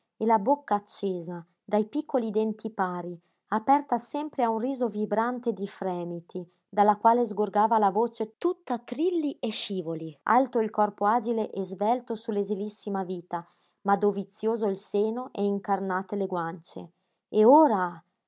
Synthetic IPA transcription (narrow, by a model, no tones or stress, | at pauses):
elabokːaːt͡ʃːeːza | d̪ajpikːoliːd̪ɛnt̪ʰipaːɾi | apɛrt̪asɛmpɾeaunriːzovibɾant̪ed̪ifɾɛːmit̪ʰi | d̪alːakwaːlezɡorɡaːvalavot͡ʃet̪ut̪ːat̪ɾilːieʃiːvoliʔa̰lt̪oilkɔrpoaːd͡ʒileʔɛzvɛlt̪osulezilisːimaviːt̪a | mad̪ovit̪sːjoːzoilseːnoʔɛiŋkarnaːt̪eleɡwant͡ʃḛ | eoːɾa